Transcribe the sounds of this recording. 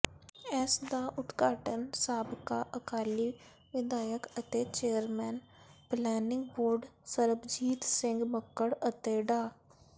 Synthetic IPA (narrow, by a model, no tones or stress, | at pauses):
ɛːsd̪aːʔʊt̪kaːʈənsaːbɪkaʔəkaːli | ʋɪd̪aːjəkət̪et͡ʃeːəɾmɛːn | plɛːnɪ̃ŋɡ̚boːɾɖsəɾəbd͡ʒiːt̪sɪ̃ŋɡməkːəɽət̪eɖaː